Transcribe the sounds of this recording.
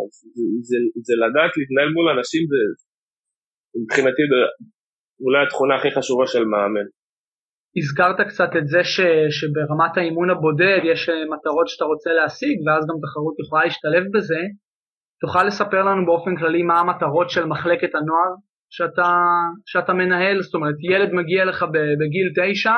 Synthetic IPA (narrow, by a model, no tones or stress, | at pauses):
azzzelad̪aːt̪liːt̪naelmulanaʃimze | bχinat̪ibe | ulajat̪χunaːχiχaʃuvaʃelmeamen | iskaʁt̪akt͡satetze̞ʃe̞ʃe̞beʁamathaimunabo̞de̞djeʃmataʁo̞tʃataʁo̞t͡seleasiɡveazɡamt̪̬aχaʁutjeχolaliʃtale̞fbe̞ze̞ | tuχalːe̞sape̞ʁlanubeo̞fenklalimaːmataʁo̞tʃe̞lmaχle̞ke̞thano̞aʁ | ʃeataʃeatame̞naɦe̞lzot̪o̞meʁet̪jele̞d̪maɡiale̞χabebeɡilte̞jʃa